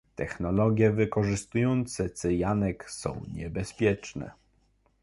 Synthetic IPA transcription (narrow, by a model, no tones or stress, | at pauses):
t̪ɛxnɔlɔɡʲjɛvɘkɔʐɘst̪ujɔnt̪sɛt̪sɘjanɛksɔ̰̃w̃ɲɛbɛspʲjɛt͡ʂnɛ̰